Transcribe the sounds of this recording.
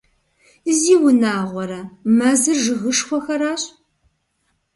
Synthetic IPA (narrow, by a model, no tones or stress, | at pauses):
ziːwʊnaːʁʷɔɾɐmɐzɨrʒɨɣɨʂxʷɔxɐɾaːɕʼ